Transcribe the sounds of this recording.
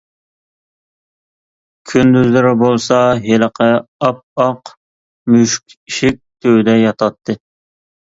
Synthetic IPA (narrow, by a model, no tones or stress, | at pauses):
kʲʰynd̪yzlɪɾɪbolˠsɑɦeləqʰəɑp̚ɑq | myʃkʲʃɪk̚ʲt̪ʰøwd̪ɛjɑt̪ʰɑt̪ʰːɨ